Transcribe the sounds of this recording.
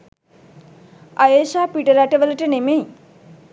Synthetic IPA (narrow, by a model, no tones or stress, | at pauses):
ajesaːpiʈəɾaʈəʋələʈənemej